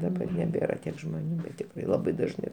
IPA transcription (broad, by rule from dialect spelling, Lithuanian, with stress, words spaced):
dɐˈbɐr nʲɛˈbʲeːrɐ ˈtʲiɛk ʒmoːˈnʲuː ˈbʲɛt tʲɪkˈrɐɪ lˠɐˈbɐɪ dɐʒˈnɐɪ